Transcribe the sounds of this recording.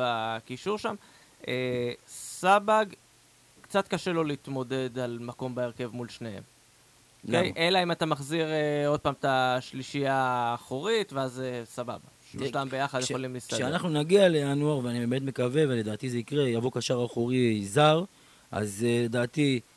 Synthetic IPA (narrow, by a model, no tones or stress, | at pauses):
akiʃuʁʃam | ʔesabaɡ | kt͡sat̪kaʃelo̞leit̪mo̞de̞dalmako̞mbaeʁke̞vmulʃnehe̞̰m | okejʔe̞laimat̪amaχziʁeo̞d̪̚paːmt̪aʃliʃijaːχoʁitveazesaba̰ba | ʃtambe̞jaχad̪jeχolimlist̪aʃeanaχnunaɡialejanuaʁveanibemet̪me̞kave̞vele̞d̪aːt̪izeikʁejavokaʃaʁaχoʁizaʁ | ʔa̰zled̪aːt̪i